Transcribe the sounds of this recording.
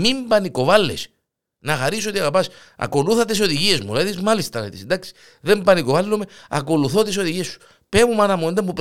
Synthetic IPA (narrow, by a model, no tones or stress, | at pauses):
mimbɐniko̞vɐlːḛs | nɐxɐɾisoot̪iɐɣɐpɐs | ɐ̰ko̞luθɐt̪is̬o̞ðiʝie̞zmulɐðizmɐlist̪ɐlt̪isnd̪aksi̥ | ðembɐnikovɐlːumeɐ̰ko̞luθot̪isoðiʝiesːu̥ | pemumɐnɐmund̪ɐmbup